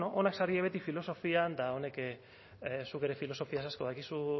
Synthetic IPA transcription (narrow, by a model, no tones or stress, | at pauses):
noʔonaksaɾieβe̞t̪ifilo̞so̞fiand̪ao̞ne̞ke | suke̞ɾe̞filo̞sofiasasko̞ðakisu